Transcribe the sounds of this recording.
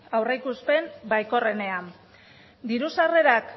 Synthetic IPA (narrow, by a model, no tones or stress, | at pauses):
awrejkuspe̞nbajko̞re̞ne̞an | d̪iɾusare̞ɾak